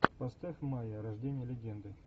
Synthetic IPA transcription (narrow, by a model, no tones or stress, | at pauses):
pɐst̪afʲmajəɾɐʐdʲenʲɪjəlʲɪɡʲend̪ɨ